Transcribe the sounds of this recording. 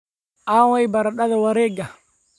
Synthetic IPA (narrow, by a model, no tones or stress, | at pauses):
ʔawajbaɾaɗadɛwaɾɛɡa